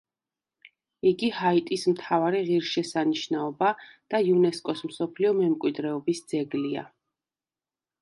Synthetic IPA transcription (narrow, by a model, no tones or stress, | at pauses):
iɡihait̪ʼismt̪ʰavaɾiʁiɾʃɛsaniʃnaɔbad̪̥aiunɛskʼɔsmsɔpʰliɔmɛmkʼwid̪ɾɛɔbisd̪z̥ɛɡlia̰